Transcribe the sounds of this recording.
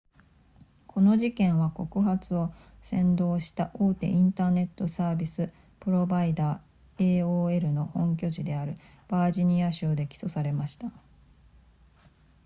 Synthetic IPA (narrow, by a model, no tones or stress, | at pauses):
kʰo̞no̞ʑikẽ̞ɰ̃βako̞kɯ̟ɦat͡sɨo̞ | sẽ̞nd̪o̞ːɕi̥t̪aʔoːt̪e̞̰ʔĩnt̪aːne̞t̪ːo̞saːbʲisɨ | pɯ̟ɾo̞baid̪aː | e̞ːoːe̞ɾɯ̟no̞hõ̞ŋkʲo̞ʑid̪e̞aɾɯ̟ | b̥aːʑiɲ̟iaɕoːd̪e̞kʲi̥so̞saɾe̞maɕi̥t̪a